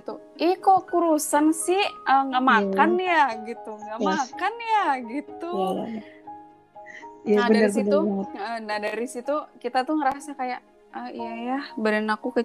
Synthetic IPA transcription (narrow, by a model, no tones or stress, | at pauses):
t̪u | ikokuɾusansɪhʔəŋɡamakanjaɡit̪uŋɡaʔmakanjaɡit̪u | naabədnaəisit̪uʔənahdaɾisit̪ukit̪at̪uŋəɾasakajaʔ | əijajabəɾənakukə